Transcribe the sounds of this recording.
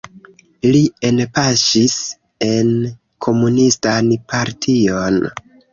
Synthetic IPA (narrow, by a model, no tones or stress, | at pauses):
lie̞npaʃis | e̞n | kʰo̞munistanpʰaɾtʰion